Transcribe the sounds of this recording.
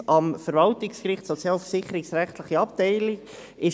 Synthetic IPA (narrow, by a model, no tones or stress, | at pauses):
ʔɑmfəɾvɑltɪkskɾɪχtsot͡sjɑːlfəɾsɪχəɾɪksɾæχt̪ləχiɑp̚tɛɪlɪk | ɪ